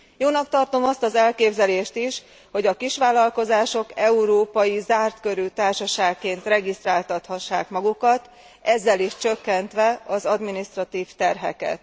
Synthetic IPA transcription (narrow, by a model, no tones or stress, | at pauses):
joːnɒk̚t̪ɒrt̪o̞mɒst̪ɒzɛlkeːbzɛleːʃt̪iʃ | ho̞ɟɒkiʃʋaːlɒlko̞zaːʃo̞kɛuɾoːpɒjizaːrt̪kø̞ɾyt̪aːrʃɒʃaːkːeːnt̪rɛɡist̪raːlt̪ɒt̪hɒʃːa̰ːkmɒɡukɒt̪ | ɛzːɛliʃt͡ʃø̞kːɛnt̪ʋɛɒzɒd̪minist̪rɒt̪iːft̪ɛrɦɛ̰kɛ̰t̪̚